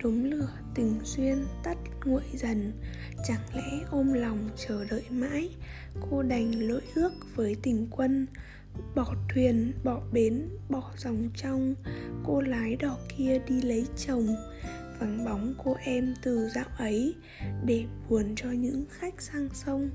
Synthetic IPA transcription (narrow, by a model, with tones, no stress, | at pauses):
ɗo˨˦mlɨ̰˧˨ət̪ï˨˩ŋ̟swi˧ənt̪ə˦˥t̚ŋṵ˧˨əjzə˨˩n | t͡ɕa˨˧˩ŋlɛ̰˧˥ʔo˧mlɔ˨˩wŋ͡mt͡ɕəː˧˩ɗə̰ː˧˨jma̰ː˧˥j | ko˧ɗa˨˩jŋ̟lo̰˧˥˨jʔɨ˦˥ək̚v̥əː˨˦jt̪ï˨˩ŋ̟kwə˧n | ɓɔ˧˩t̪ʰwi˨˩ənɓɔ˧˩ɓe˨˦nɓɔ˧˩z̥a˨˩wŋ͡mt͡ɕɔ˧wŋ͡mko˧laː˨˦jɗɔ˨˩ki˧əɗi˧lə˨˦jt͡ɕə˨˩wŋ͡m | vaː˨˩nɓa˨˦wŋ͡mko˧ʔɛ˧mt̪ɨ˨˩za̰ː˧˨wʔə˨˦j | ɗe˧˩ɓu˨˩ənt͡ɕɔ˧ɲɨ̰˧˥ŋxa˦˥jk̚saː˧ŋsə˧wŋ͡m